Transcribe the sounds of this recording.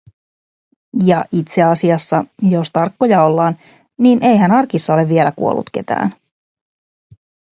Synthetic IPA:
jɑʔit̪se̞ɑsiɑsːɑjo̞st̪ɑrkːo̞jɑo̞lːɑːn | niːnʔe̞jɦænɑrkisːɑo̞le̞vʋie̞lækṵolːṵt̪k̟e̞t̪æ̰ːn

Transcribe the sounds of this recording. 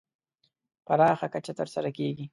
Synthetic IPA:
paɾɑxakat͡ʃat̪əɾsaɾakeɡi

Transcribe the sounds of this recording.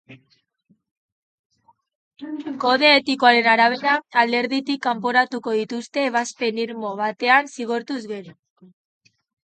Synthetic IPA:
ko̞ðe̞ːt̪ikoaɾe̞naɾaβ̞e̞ɾaːld̪e̞ɾðit̪ikːampo̞ɾat̪uko̞ð̞it̪ust̪e̞ːβ̞aspe̞niɾmo̞βat̪e̞ansiɣ̞o̞ɾt̪uzɣe̞ɾo

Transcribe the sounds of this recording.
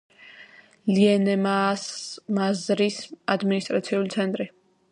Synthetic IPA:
liɛnɛmasmazɾisad̪minist̪ʼɾat̪sʰiulit̪sʰɛnt̪ʼɾi

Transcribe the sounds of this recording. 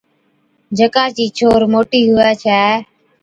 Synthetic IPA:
d͡ʒʱəkaːt͡ʃiːt͡ʃʰoːɾmoːʈiːɦʊaːt͡ʃʰɛː

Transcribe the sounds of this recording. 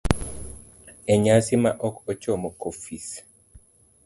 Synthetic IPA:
eɲasimaʔɔkot͡ʃɔmɔkofis

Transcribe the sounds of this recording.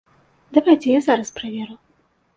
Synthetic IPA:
d̪ɐvajt͡sʲɛjazaɾɐspɾɐvʲeɾɨw

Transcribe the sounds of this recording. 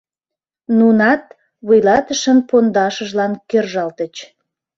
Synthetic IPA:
nunɑt̪ | βujlɑt̪əʃənpond̪ɑʃəʒlɑnkørʒɑlt̪ət͡ɕ

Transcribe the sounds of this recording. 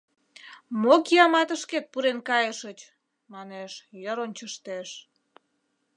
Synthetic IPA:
mokiɑmɑt̪əʃket̪̚puɾenkɑjəʃət͡ɕ | mɑneʃjəɾont͡ɕəʃt̪eʃ

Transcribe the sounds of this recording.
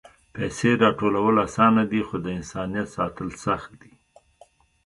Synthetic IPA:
pɛseɾɑʈolawəlasɑnad̪ixod̪əɪnsɑnijat̪sɑt̪əlsaxt̪̚d̪i

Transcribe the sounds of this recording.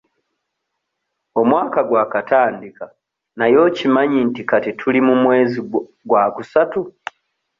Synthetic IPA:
o̞mwaːkaɡwaːkataːndika | najo̞ːcimaɲintikatitʰulimumwe̞ːzi | ɡwaːkusatu

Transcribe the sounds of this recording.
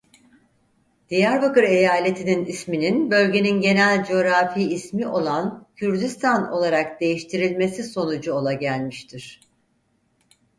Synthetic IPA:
d̪̥ijæɾbakɯɾe̞jaːlʲe̞t̪ʰininismininbø̞lʲɟe̞ninɟe̞nælʲd͡ʒo̞ɾafiːsmiʔo̞lˠancʰyɾd̪yst̪ʰano̞̰lˠaɾakd̪e̞jiʃt̪ʰiɾilʲme̞siso̞nud͡ʒuo̞lˠaɟælʲmiʃt̪ʰiɾ̥

